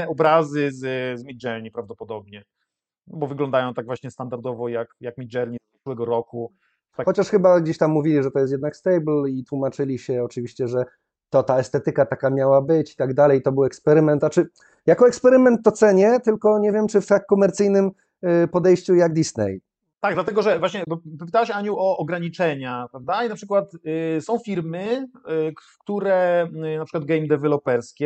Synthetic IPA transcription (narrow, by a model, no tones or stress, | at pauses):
ɔbɾazɘzzmʲid͡ʐɛɾɲipɾavd̪ɔpɔd̪ɔbɲɛ | ɔbɔvɘɡlɔnd̪ajɔ̃w̃t̪aɡ̚vwaɕɲɛst̪and̪aɾd̪ɔvɔjakjakmʲid͡ʐɛɾɲi | kwɛɡɔɾɔku | t̪axɔt͡ɕaʂxɘbaɡd͡ʑeɕt̪amːuvʲilʲiʐɛt̪ɔjɛst̪jɛd̪nakst̪ɛjblit̪wumat͡ʂɘlʲiɕɛɔt͡ʂɘvʲiɕt͡ɕɛʐɛ | t̪ɔt̪aɛst̪ɛt̪ɘkat̪akamʲjawabɘt͡ɕi̥t̪aɡd̪alɛjt̪ɔbɘwɛkspɛɾɘmɛnt̪at͡ʂɘ | jakɔɛkspɛɾɘmɛnt̪ːɔt̪sɛɲɛt̪ɘlkɔɲɛvʲjɛmt͡ʂɘft̪akːɔmɛɾt̪sɘjnɘm | pɔd̪ɛjɕt͡ɕujaɡd̪ʲisnɛ̰j | t̪aɡ̚d̪lat̪ɛɡɔʐɛvwaɕɲɛbpɔp̬ɘ̥t̪awaɕaɲuwɔːɡɾaɲit͡ʂɛɲapɾavd̪ainapʂɘkwat̪sɔ̃w̃fʲiɾmɘk | t̪uɾɛnapʂɘ̥kwad̪ɡɛjmd̪ɛvɛlɔpɛɾskʲɛ